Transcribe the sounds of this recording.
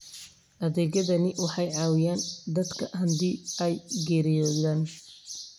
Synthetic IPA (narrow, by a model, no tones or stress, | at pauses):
ʔɐðɛːɣɐðɐnɪwɑħɑjʕɑːwɪjaːnd̪ɐd̪kʰɐɦɐnd̪iːɛjɡɛːɾɪjɔːðaːn